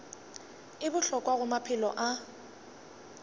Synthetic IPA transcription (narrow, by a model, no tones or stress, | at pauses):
ɪbʊɬɔkʼwaɣʊmapʰɪlɔ̰ʔa